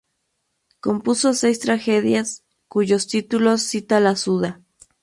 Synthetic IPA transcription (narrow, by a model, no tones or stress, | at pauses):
ko̞mpuso̞sejst̪ɾaxeðjas | kuʝo̞st̪it̪ulo̞sːit̪alasuða